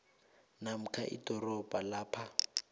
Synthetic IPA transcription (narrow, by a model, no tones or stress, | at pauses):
nam̩kʰaʔḭdɔrɔbalaːpʰa